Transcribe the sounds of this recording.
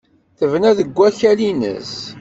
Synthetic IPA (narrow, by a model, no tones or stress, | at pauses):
θəvnæðəɡʷːæçælinə̰s